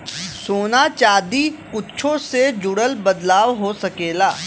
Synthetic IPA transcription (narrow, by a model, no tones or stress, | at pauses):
soːnat͡ʃaːd̪ikʊtːt͡ʃʰõsed͡ʒʊɽəlbɐd̪laːwɦosɐkeːlaː